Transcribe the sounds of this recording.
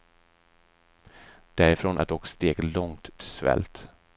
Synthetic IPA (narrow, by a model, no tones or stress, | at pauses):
d̪̥æɾɪfɾoːnʔat̪̚d̪ɔkst̪eːɡlɔŋt̪ʰːɪlsvɛ̰lt̪